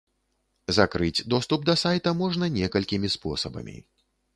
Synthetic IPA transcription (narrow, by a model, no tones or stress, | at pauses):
zakɾɨd͡zʲd̪ɔst̪up̚d̪ɐsajt̪ɐmɔʐnɐnʲɛkɐlʲkʲimʲispɔsɐbɐ̰mʲḭ